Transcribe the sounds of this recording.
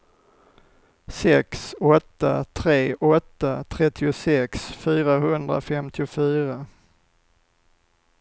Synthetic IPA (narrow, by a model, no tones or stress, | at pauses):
sɛksɔt̪ːa̰t̪ʰɾeːʔɔt̪ːat̪ʰɾɛt̪ʰːɪʊsɛksfyːɾaɦɵnd̪ɾa̰fɛmt̪ʰɪʊfyːɾa